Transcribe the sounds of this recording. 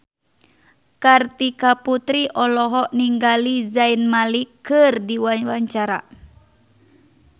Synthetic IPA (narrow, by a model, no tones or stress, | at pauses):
kart̪ikaput̪ɾiʔɔlɔɦɔʔniŋɡalizainmalikːɨrdiwawaɲt͡ʃaɾa̰